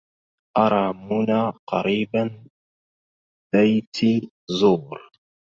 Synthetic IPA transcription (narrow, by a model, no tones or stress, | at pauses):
ʔɑɾˤɑːmʊnaqɑɾiːban | b̥ajt̪ʰi | zuːɾ